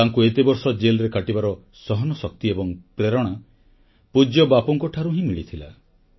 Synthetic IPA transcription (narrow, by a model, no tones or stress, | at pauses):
aŋkuet̪ebɔɾsɔd͡ʒelɾekaʈibaɾɔ | sɔɦɔnɔsɔk̚t̪iebɔŋpɾeɾɔɽ̃a | pud͡ʒjɔbapɔŋkɔʈʰaɾuɦĩmiɭit̪ʰila̰